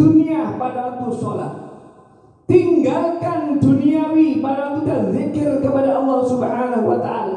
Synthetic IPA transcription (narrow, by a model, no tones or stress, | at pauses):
duniapadawat̪usɔla̰h | t̪iŋɡalkanduniawipadaat̪ud̪anzikɪrkəpadaʔɑlːɑhsubhaːnaɦuwat̪aʔa̰la